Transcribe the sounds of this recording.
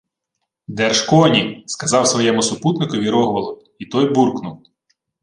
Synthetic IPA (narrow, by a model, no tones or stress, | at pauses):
d̪ɛrʃkɔnʲiskɐzɑwsʋɔjɛmʊsʊput̪nɪkʊʋʲiɾɔɦʋɐlˠʊ | it̪ɔjburknʊw